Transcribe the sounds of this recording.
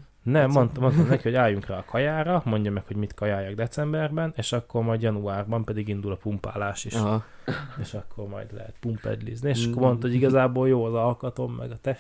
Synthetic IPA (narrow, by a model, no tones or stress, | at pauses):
nɛmːo̞nt̪mo̞nt̪ɔmnɛkiho̞ɟaːjːuŋkrɛːkʰɒjaːɾɒmo̞ɲɟɒmɛkho̞ɟmit̪kɒjaːjɒɡd̪ɛt̪sɛmbɛrbɛneːʃɒkːo̞rmɒjd̪jɒnuaːrbɒmpɛd̪iɡind̪ulɒpumpa̰ːlaːʃiʃ | eːʃɒkʰːo̞rmɒ̰jd̪lɛ̰ɦɛ̰t̪̚pumpɛ̰d̪lḭznieːʃʃɒkkormo̞nt̪hoɟiɡɒzaːboːljoːɒzɒlkɒt̪o̞mːɛ̰ɡɒt̪ɛ